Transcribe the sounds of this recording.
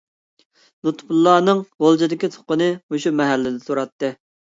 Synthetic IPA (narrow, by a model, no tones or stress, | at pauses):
nut̪pʰulˠːɑːnɨŋʁolˠd͡ʒɨd̪ɪkʲit̪ʰʊ̥qːənɨoʃumɛɦælːɪd̪ɪsoɾɑt̪ːɨ